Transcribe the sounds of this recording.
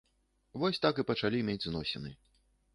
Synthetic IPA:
vɔsʲt̪akɨpɐt͡ʂalʲimʲed͡zʲznɔsʲɛnɨ̰

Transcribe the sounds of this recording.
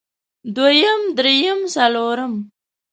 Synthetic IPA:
d̪wajamd̪ɾejəmsaloɾam

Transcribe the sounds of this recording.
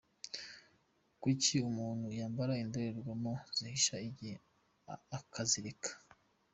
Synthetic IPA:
kwiciumuːnhujaːmbaɾaindoɾeɾɡwamoz̥ihiʃaiɟi | akʰaziɾikʰḁ

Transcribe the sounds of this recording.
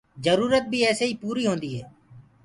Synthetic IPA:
d͡ʒəɾuːɾət̪̚bʱiːɛːseːiːpuːɾiːɦõːnd̪iːɦɛː

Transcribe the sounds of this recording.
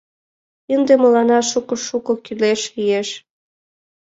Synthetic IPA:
ənd̪emolɑnɑʃukɤ̆ʃukŏkyleʃijeʃ

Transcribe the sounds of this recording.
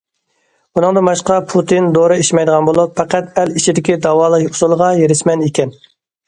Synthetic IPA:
unɨŋd̪ɨmɑʃqɑpʰut̪ʰind̪oɾɨiʃmɛjd̪əʁɑnbolˠupfɛqæt̪ælit͡ʃʰid̪ɪkʲid̪ɑwɑːlˠəʊ̥sulˠəʁɑjeɾɪʃmɛnekʲʰɛn

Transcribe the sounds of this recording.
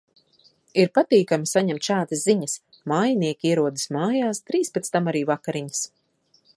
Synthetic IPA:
iɾpat̪iːkamisaɲɛmt̪ʃaːd̪asziɲas | maːjaniɛkʲiiɛɾuɔd̪ismaːjaːst̪ɾiːspet̪st̪amaɾiːvakaɾiɲəs

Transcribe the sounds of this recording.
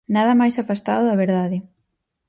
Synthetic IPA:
naðɐmajsafast̪a̰ðʊðɐβ̞eɾðaðɪ

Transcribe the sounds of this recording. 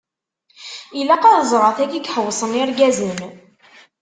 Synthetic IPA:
ilːæqɑðzˤɾˤɑθækiɡħəwːsˤənɪɾɡæzən

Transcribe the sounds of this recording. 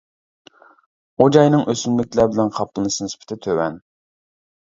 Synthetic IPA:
od͡ʒɑjnɨŋøsynlɪk̚ʲlæɾbɪlɛnqʰɑplˠɨnɨsɨnɨspʰɪ̥t̪ʰɪt̪ʰøwɛn

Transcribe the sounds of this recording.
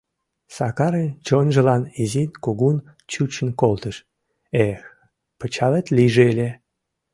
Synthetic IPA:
sɑkɑɾenʲt͡ɕonʲʒə̆lɑnizinʲkuɣun | t͡ɕut͡ɕə̆nkolt̪ə̆ʃ | ex | pə̆t͡ɕɑlet̪lʲiʒeelʲe

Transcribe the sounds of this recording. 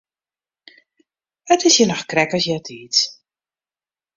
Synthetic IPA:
ətɪsjənɔxkrɛkəsjɛtʰiːt

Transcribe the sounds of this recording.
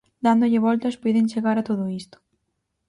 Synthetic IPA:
d̪and̪ʊʎɪβɔlt̪ɐspojðɪnt͡ʃeɣaɾat̪oðʊist̪ʊ̥

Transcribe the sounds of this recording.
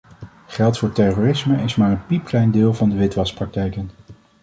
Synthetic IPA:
χɛlˠtfʊːɹtɛroːrɪsməɪsmaːɹənpipklɛjndɪːlˠvɑndəʋɪtʋɑsprɑk̚tɛjkən

